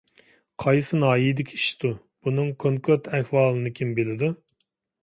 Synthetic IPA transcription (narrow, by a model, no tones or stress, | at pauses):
qʰɑjsɨnɑːjid̪ɪkʲʰiiʃt̪u | b̥unɨŋkʰoŋkʰøɾt̪ʰɛhwɑːlˠɨnɨkʲʰimbelɪd̪u